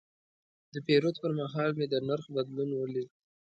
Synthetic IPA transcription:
d̪əpeɾot̪pəɾmaɦɑlmed̪ənaɾxbad̪lunwəli

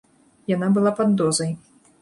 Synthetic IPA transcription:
janabɨlˠapad̪ːɔzɐj

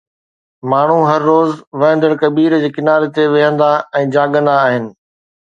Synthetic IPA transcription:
maːɳ̤uɦɐɾːoːzʋɐɦə̃nd̪əɽ̃kɐbiːɾd͡ʑeːkɪnaːɾet̪eʋɪɦə̃nd̪aɛ̃ːd͡ʑaːɠə̃nd̪aːɦɪnɪ̆

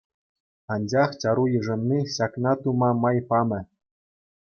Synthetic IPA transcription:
ɑnʲd͡ʑɑχt͡ɕɑɾujiʐɤ̆nːiɕɑknɑt̪umɑmɑjpɑmʲɘ̆

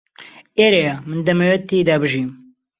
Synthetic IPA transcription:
eːɾejamɨnd̪ɐmɐwɛt̪ːid̪abɨʒiːm

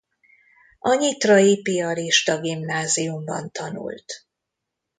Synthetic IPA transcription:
ʔɒɲit̪rɒjipiɒliʃt̪ɒɡimnaːzijumbɒ̰nt̪ɒnṵlt̪

